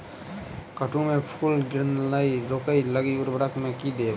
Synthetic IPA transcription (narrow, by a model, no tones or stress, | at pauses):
kəʈʰũmẽpʰuːlɡɪɾnləiɾoːkəiləɡiʊɾbɾək̪ʰmẽkid̪e